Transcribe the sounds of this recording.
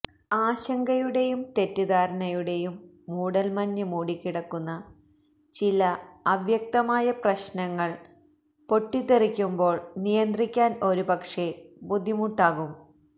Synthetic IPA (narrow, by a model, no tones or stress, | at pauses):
aːɕɐŋɡɐjuɽe̞jumt̪e̞tːud̪aːɾɐɳɐjuɽe̞jumː | uːɽɐlmɐnːumuːɽikʲːiɽɐkːunːɐ | t͡ɕilɐɐʋjɐk̚t̪ɐmaːjɐprɐɕnɐŋːɐɭ | po̞ʈːit̪ːerikʲːumbo̞ːɭnijɐnd̪rikʲːaːno̞ɾupɐkʂe̞bud̪ʱːimuʈːaːɣum